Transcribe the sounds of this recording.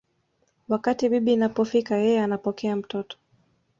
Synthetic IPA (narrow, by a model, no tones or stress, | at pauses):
wakatiɓiɓiːnapɔfikajɛjɛanapɔkɛam̩tɔtɔ̥